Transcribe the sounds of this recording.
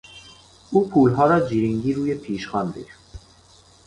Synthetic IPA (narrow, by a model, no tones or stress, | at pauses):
ʔuːpʰuːlɦɒːɾɒːd͡ʒiːɾiŋɟiːɾuːjepʰiːʃxɒːnd̪ḛɾ